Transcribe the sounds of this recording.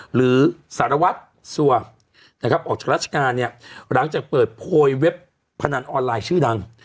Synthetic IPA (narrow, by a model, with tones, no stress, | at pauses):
ɾɯː˩˦saː˨˩˦ɾa˧wa˦˥t̪̚ | su˨˩ɐ | na˥kʰa˦˥p̚ʔɔː˨˩k̚t͡ɕaː˨˩ɾaː˥t̪̚t͡ɕʰḁ˧kaː˧nːi˥˩ɐɾa˩˦ŋt͡ɕaː˨˩k̚pɤː˨˩t̪̚pʰoː˧jwe˦˥pʰː | a˧na˧nʔɔː˧nlaː˧jt͡ɕʰɯː˥˩da˧ŋ